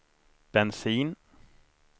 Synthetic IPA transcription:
b̥ɛnsiːn

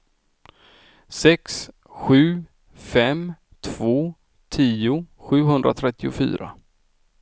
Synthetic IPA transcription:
sɛks | ɧʉ̟ː | fɛm | t̪ʰv̥oː | t̪ʰiːʊɧʉ̟ːɦɵnd̪ɾa̰t̪ʰɾɛt̪ːɪʊfy̰ːɾa̰

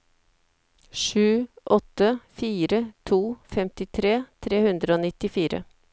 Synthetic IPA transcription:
ʂʉːʔɔt̪ːəfiːɾət̪ʰuːfɛmt̪ɪt̪ʰɾeːt̪ʰɾeːhʉnd̪ɾəoːnɪt̪ɪfiːɾə̰

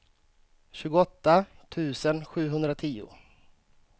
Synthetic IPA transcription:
ɕʉ̟ːɡʊɔt̪ːat̪ʰʉ̟ːsənɧʉ̟ːɦɵnd̪ɾat̪ʰiːʊ̰

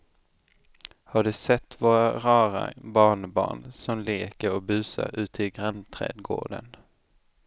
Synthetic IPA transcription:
haɖɵsɛt̪ːvoːɾaɾɑːɾa̰bɑːɳbɑ̰ːɳsɔmleːkəɾɔbʉ̟ːsa̰ɾʉ̟ːt̪ʰɪɡɾant̪ʰɾɛ̰ːd̪ɡo̰ːɖə̰n

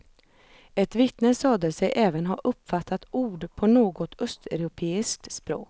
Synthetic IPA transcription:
ɛt̪vɪt̪nəsɑːd̪əsɛjʔɛːvənɦaʔɵpːfat̪ʰːat̪uːɖpʰɔnoːɡɔt̪œst̪ɛɾʊpʰeːɪsk̚t̪spɾo̰ːk

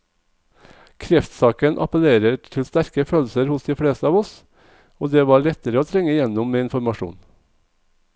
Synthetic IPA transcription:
kʰɾɛft̪sɑːkənʔɑ̰pəleːɾəʈʰɪlst̪æɾkəføːlsəɾhʊsd̪iːfɽeːst̪əɑːʋɔs | oːd̪eːʋɑːɭɛt̪əɾəoːt̪ʰɾɛŋəɪjɛnʊmmeːɪnfɔɾmɑʃṵːn

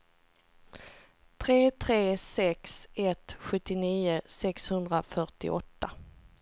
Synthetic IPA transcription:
t̪ʰɾeːt̪ʰɾeːsɛksɛt̪ɧɵt̪ːɪniːʊsɛkshɵnd̪ɾafœʈɪ̰ʔɔ̰t̪ːa

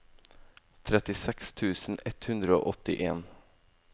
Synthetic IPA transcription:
t̪ʰɾɛt̪ɪsɛkst̪ʰʉːsn̩ɛt̪hʉnd̪ɾəo̰ːʔɔt̪ɪʔeːn

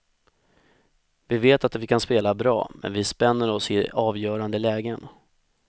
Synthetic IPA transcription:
vɪveːt̪at̪vɪkʰanspeːlabɾɑ̰ːmʔɛ̰nvɪspɛnːəɾɔsɪɑːvjœːɾand̪əlɛːɡən

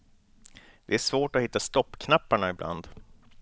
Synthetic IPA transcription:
d̪̥ɛæʂvoːʈɔhɪt̪ːast̪ɔpːkʰnapːaɳaɪblʔa̰nd̪

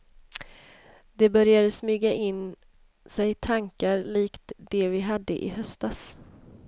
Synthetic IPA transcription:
d̪̥ɛbœɾjad̪əsmyːɡaʔɪnː | sɛjt̪ʰaŋkaɾliːkt̪d̪ɛvɪɦad̪ːəʔɪ̰ɦœst̪as

